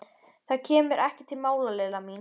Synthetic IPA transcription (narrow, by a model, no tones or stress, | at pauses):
θaðcʰɛːmʏɾʔɛhcɪt̪ʰɪlmaːwlalɛlamiːn